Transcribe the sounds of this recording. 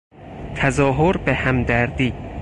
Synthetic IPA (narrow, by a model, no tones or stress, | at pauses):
t̪ʰæzɒːɦoɾbehæmd̪æɾd̪iː